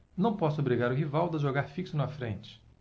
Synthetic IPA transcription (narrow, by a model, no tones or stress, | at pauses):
nɐ̃w̃pɔsʊobɾiɡaɾʊɦivawd̪ɐʒoɡaɾfiksʊnũɐfɾẽnt͡ʃɪ̥